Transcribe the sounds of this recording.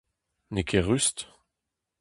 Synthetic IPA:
nekʰeʁyst̪

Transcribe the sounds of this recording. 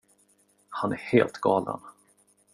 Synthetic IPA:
hanæɾheːlt̪ɡɑːlə̰n

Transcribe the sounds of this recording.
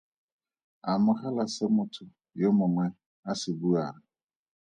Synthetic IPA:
amʊhalasɛmʊtʰʊ | jomɔŋʷɛ | asɪbua

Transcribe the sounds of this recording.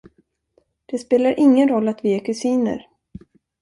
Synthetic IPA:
d̪̥ɛspeːlaɾʔɪŋːənɾɔlːat̪vɪækʰɵsiːnə̰ɾ

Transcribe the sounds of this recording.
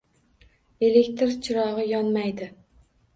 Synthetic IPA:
e̞le̞kʲt̪ɾt͡ʃʰɪɾɒʁɨjɒnmajd̪ɪ

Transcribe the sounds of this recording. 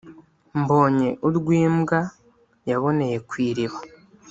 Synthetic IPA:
mbo̞ːɲe̞ʔuɾɡwiːmɡa | jaβo̞ne̞je̞kwiːɾiβḁ

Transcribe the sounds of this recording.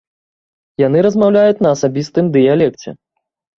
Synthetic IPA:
janɨɾɐzmawlʲajut͡sʲnɐːsabʲist̪ɨmd̪ɨjalʲɛkt͡sʲɛ̰

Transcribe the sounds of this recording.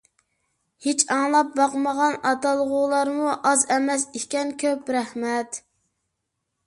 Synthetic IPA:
het͡ʃɑŋlˠɑp̚bɑqməʁɑnɑt̪ɑlˠʁulˠɑɾmuʔɑzɛmɛsikʲɛnkʲʰøpɾɛhmɛt̪

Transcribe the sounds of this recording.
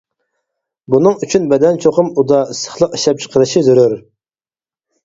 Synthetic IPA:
bunɨŋyt͡ʃʰynbɛd̪ɛnt͡ʃʰoqʊmud̪ɑsə̥χlˠəqi̥ʃɛp̚t͡ʃʰə̥qʰəɾɨʃizyɾyɾ

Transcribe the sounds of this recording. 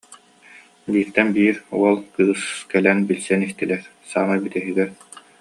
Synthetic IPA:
biːɾt̪ɛnbiːɾuɔlˠkɯːskɛlɛnbilsɛnist̪ilɛɾ | saːnabit̪ɛɦɯɡɛɾ

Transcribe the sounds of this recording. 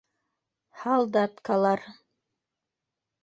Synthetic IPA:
hɑlˠd̪ɑt̪kɑlˠɑɾ

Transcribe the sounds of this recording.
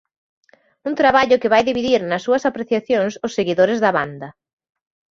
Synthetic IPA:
unt̪ɾaβaʎʊkɪβajðiβiðiɾnɐsːuɐsapɾeθjaθjoŋsʊsːeɣiðoɾɪzðɐβand̪ɐ

